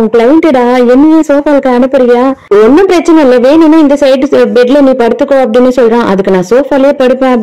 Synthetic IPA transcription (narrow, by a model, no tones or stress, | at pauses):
klɐjɛɳʈɪɽaːɛnːɯjeːsoːfaːlkːɐ̃ɐnɯpːɐɾɪjaːɔnːɐpɪɾɐt͡ʃːɐnɛɪlːɐʋeːninːaːɪnd̪ɐsɐɪʈbɛɖlɐniːpɐɽɯt̪ːɯkːõːɐpːɐɽɪnːesɔlɾẽːʔɐðɯkːɯnãːsoːfaːleːpɐɽɯpːẽːɐ